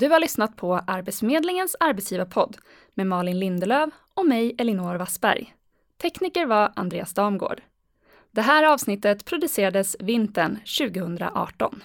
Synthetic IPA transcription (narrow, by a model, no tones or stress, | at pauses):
d̪ɵhaɭʏsnat̪̚pʰɔʔaɾbɛt̪smeːd̪lɪŋənsaɾbɛt̪sjiːvapʰɔd̪ː | mɛmɑːɭɪnlɪnd̪əløːv | ɔmɛjɛlɪnoːɾvasbæ̰ɾj | t̪ʰɛkniːkəɾvaɾʔa̰nd̪ɾeːasd̪ɑːmɡo̰ːɖ̥ | d̪̥ɛɦæːɾɑːvsnɪt̪ːət̪pʰɾʊd̪ɵseːɾad̪əsvɪnt̪ənɕʉ̟ːɡəhɵnd̪ɾa̰ʔɑ̰ːʈɔ̰n